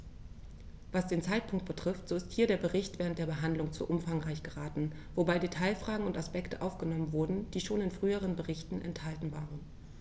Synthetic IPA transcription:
vasd̥eːnt͡saɪtpʰʊŋkt̚b̥ətʁ̥ɪftz̥oːɪsthiːɐdeːɐbəʁɪçtv̥ɛːʁən̩td̥eːɐbəɦandlʊŋt͡sṵːʔʊmfaŋʁaɪçɡ̥əʁaːtn̩ | vobaɪdetʰaɪlfʁ̥aːɡŋ̩ʊntaspɛktəʔaʊfɡ̥ənɔmənvʊɐdn̩d̥iːʃoːnɪnfʁ̥yːəʁ̞ənbəʁɪçtn̩ʔɛ̰nthaltn̩vaːʁən

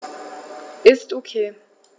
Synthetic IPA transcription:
ʔɪstokʰeː

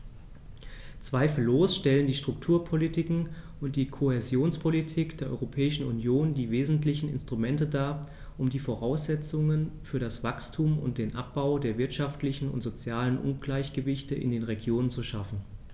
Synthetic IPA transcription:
t͡sv̥aɪfl̩ːoːsʃtɛləndiːʃtʁ̥ʊktʰuːɐpʰolitʰɪkŋ̩ʔʊnt̚d̥iːkʰohezjoːnspʰolitʰiːkd̥eːɐʔɔʏʁopʰɛːɪʃn̩unjoːndiːveːzn̩tlɪçn̩ɪ̰nstʁ̥ʊmɛntədaːɐ | ʔʊmdiːfoʁaʊsz̥ɛt͡sʊŋənfyːɐɾasv̥akstʰumʊ̰nt̚d̥eːnʔap̚b̥aʊdeːɐvɪɐtʃaftlɪçn̩ʊ̰ntz̥ot͡sjaːlənʔʊ̰nɡ̥laɪçɡ̥əvɪçtəʔɪ̰ndeːnʁeɡjoːnənt͡suʃafn̩

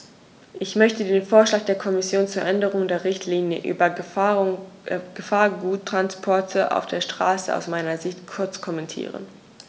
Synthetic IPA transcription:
ʔɪçmœçtədeːnfoːɐʃlaːk̚d̥eːɐkʰɔmɪsjoːnt͡suːɐʔɛndəʁ̞ʊŋdeːɐʁɪçtʰliːnjəʔy̰ːbɐ | ɡ̥əfaːɐɡuːtʰːʁ̥anspʰɔɐtʰəʔa̰ʊfd̥eːɐʃtʁ̥a̰ːsəʔa̰ʊsmaɪnɐzɪçtkʰʊɐt͡skʰɔmɛntʰḭːʁə̰n

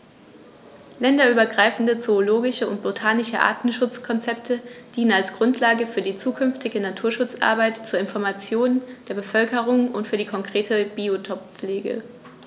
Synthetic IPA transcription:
lɛndɐyːbɐɡʁaɪfn̩dət͡soːloːɡɪʃəʊ̰nt̚b̥otʰaːnɪʃəʔa̰ːɐtn̩ʃʊt͡skʰɔnt͡sɛp̚tʰəd̥iːnənalsɡ̥ʁʊntʰlaːɡəfyːɐdiːt͡suːkʰʏnftɪɡənatʰuːɐʃʊt͡sʔa̰ɐbaɪtt͡suːɐɪnfɔɐmat͡sjoːnd̥eːɐbəfœlkəʁʊŋʊntfyːɐdiːkʰɔŋkʁ̥eːtʰəb̥iːotʰɔp̚p͡fleːɡə̰

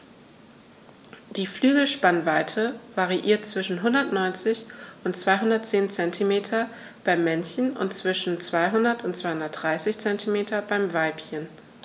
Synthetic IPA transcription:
d̥iːflyːɡl̩ʃpanvaɪtʰəvaʁiʔḭːɐt̚t͡sv̥ɪʃn̩ɦʊndɐtnɔʏnt͡sɪçʔʊntt͡sv̥aɪɦʊndɐt̚t͡seːnt͡sɛntʰimeːtʰɐ | b̥aɪmːɛnçn̩ʊ̰ntt͡sv̥ɪʃn̩t͡sv̥aɪɦʊndɐtʰʊntt͡sv̥aɪhʊndɐt̚d̥ʁaɪsɪçt͡sɛntʰimeːtʰɐbaɪmvaɪpçən

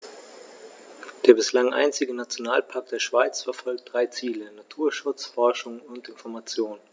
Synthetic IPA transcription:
d̥eːɐbɪslaŋʔa̰ɪnt͡sɪɡənat͡sjonaːlpʰaɐk̚td̥eːɐʃv̥aɪt͡sfɛɐfɔlk̚t̚d̥ʁaɪt͡siːlənatʰuːɐʃʊt͡sfɔɐʃʊŋʊntɪnfɔɐmat͡sjoːn

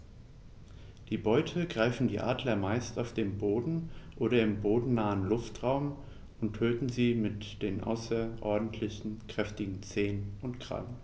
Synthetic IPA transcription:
d̥iːbɔʏtʰəɡʁaɪfn̩dḭːʔa̰ːdlɐmaɪstaʊfd̥eːmboːdn̩ʔoːɾɐɪmboːdn̩naːənlʊftʁ̥aʊm | ʊnttʰøːtn̩ziːmɪtd̥eːnʔa̰ʊsɐʔɔɐdn̩tʰlɪçn̩kʁ̥ɛftɪɡŋ̩t͡seːnənʊntɡʁ̥a̰lən

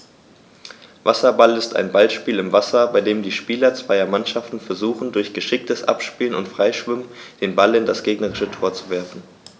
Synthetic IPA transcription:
vasɐbalɪsta̰ɪnbalʃpiːlɪmvasɐbaɪdeːmdiːʃpiːlɐt͡sv̥aɪɐmanʃaftn̩fɛɐzuːχn̩dʊɐçɡ̥əʃɪk̚təsʔa̰pʃpiːlənʊ̰ntfʁ̥aɪʃv̥ʏmənd̥eːnbalɪndasɡ̥eːɡnəʁɪʃətʰoːɐt͡suvɛɐfn̩

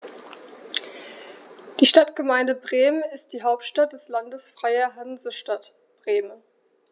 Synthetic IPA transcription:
d̥iːʃtatɡ̥əmaɪndəbʁeːmənɪst̚d̥iːɦaʊp̚tʃtat̚d̥ɛslandəsfʁ̥aɪɐɦanzəʃtat | b̥ʁeːmən

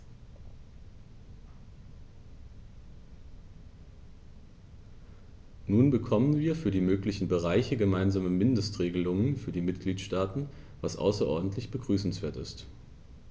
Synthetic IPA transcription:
nuːnbəkʰɔmənviːɐfyːɐdiːmøːklɪçn̩bəʁ̞aɪçəɡəmaɪnzaːməmɪndəstʁ̥eːɡəlʊŋənfyːɐdiːmɪtɡ̥liːtʃtaːtn̩ | vasʔa̰ʊsɐʔɔ̰ɐdn̩tlɪçb̥əɡʁyːsn̩sv̥eːɐtɪ̰st

